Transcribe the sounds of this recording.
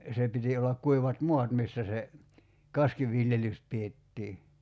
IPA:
se piti olːɑk kuiʋɑt mo̝ɑt misːæ se kɑskiʋiljelys pietːiː

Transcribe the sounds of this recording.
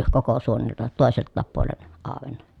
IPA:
koko suoneltɑ toˑeseltːɑːp puolen ɑˑoʋenːɑ

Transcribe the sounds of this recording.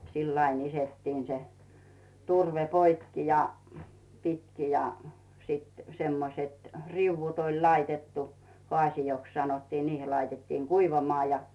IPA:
silː ɑin isetːiːn se turʋe poikːi jɑ pitki jɑ sit semːoset riŭwʋut olʲ lɑitetːu hoɑˑsijoks sɑnotːiːn niːhil̆ lɑitetːiːŋ kuiʋɑmŏɑˑ jɑ

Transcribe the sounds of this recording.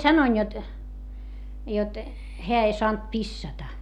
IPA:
sɑnoin jot jot heæ ei soɑnt pisːɑtɑ

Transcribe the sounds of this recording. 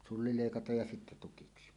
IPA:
sulːi leˑikɑtɑj jɑ sitːæ tukiksi

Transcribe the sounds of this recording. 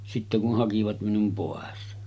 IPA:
sitːe kuh hɑkiʋɑt minum poˑes

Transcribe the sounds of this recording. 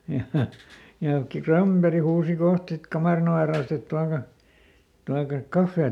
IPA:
jɑ jɑ ki krɑmb̥eri huːsi koht sit kɑmɑˑrin oʋe rɑost et tuɑkɑ tuɑkɑk kɑfːeː

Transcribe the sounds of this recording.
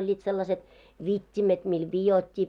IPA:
olʲːiːt selːɑset ʋitʲːimet mil ʋijotʲːi

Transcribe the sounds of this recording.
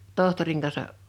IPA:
tohtoriŋ kɑnsɑ

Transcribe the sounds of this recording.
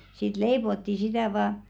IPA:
siːt leipotːi sitæˑ ʋɑː

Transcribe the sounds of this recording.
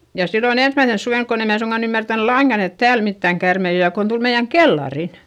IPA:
jɑ silːon ensmæisens suʋeˑnk kon em mæː suŋɡ̊ɑn ymːærtæn lɑiŋɡ̊ɑn et tæːl mitːæŋ kærmei o jɑ kon tul meij̆æŋ kelːɑrin

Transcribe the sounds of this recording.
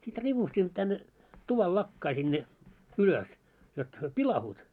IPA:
sit ripustimˑŏ tænːe tuʋɑl lɑkːɑi sinːe yløs jot hyø pilɑhuːt

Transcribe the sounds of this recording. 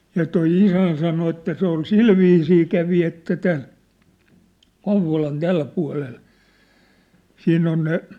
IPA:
jɑ toi isæn sɑno etːæ se ol silʋiːsiː kæʋi etːæ tæn kouʋˑolɑn tæl puɑ̝lel sinː on ne

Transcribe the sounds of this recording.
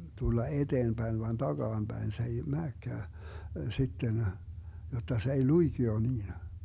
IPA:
tulːɑ ed̥eːmb̥æin ʋɑn d̥ɑɡ̊ɑːmb̥æin se ei mæːkːæː sitːen jotːɑ se ei luiɡ̊io niːnɑ

